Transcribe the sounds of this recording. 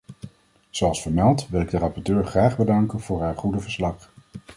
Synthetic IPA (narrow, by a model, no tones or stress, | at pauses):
z̥oɑlˠsfəɹmɛlˠtʋɪlˠɪɡdərɑpɔɹtøːɹχraːχbədɑŋkənv̥ʊːɹɦaːɹχudəvəɹslɑχ